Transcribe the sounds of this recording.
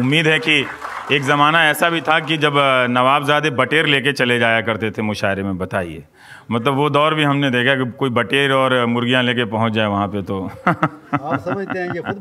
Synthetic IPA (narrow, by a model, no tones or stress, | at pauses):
ʊmːiːd̪ɦɛki | eːkzɐmaːnaɛːsabʱit̪ʰakid͡ʒɐbnɐʋaːbzjaːd̪ebɐʈeːɾleːket͡ʃɐled͡ʒaːjakɐɾt̪et̪ʰemʊʃaːɪɾemẽbɐt̪aːiḛː | mɐt̪ləbʋod̪ɔːɾbʱiɦɐmned̪eːkʰakikoːibɐʈeːɾɔːɾmʊɾɡijãleːkepɐɦʊ̃t͡ʃd͡ʒaːeʋɐɦãpet̪o